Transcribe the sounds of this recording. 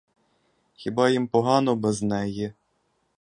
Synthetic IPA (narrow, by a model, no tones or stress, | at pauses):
xʲibɑjimpɔɦɑnɔbɛznɛjɛ